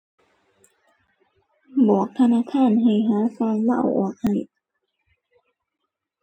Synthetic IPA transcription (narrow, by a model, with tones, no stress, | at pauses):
bɔː˨˩k̚t̪ʰa˧naː˧˨kʰaː˧˥˨nɦa˨˩jɦaː˨˦saː˧˩ŋla̰˧˥˨wʔɔ̰ː˨˩k̚ha˨˩j